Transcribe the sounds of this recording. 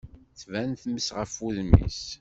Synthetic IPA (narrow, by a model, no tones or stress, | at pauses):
θvænθməsʁəfːuðmḭs